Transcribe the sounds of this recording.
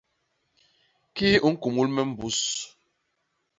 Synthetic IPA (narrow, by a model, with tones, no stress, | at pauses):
ki˦u˦ŋ̩˦ku˨mu˦lmɛ˦m̩˦˨bu˦s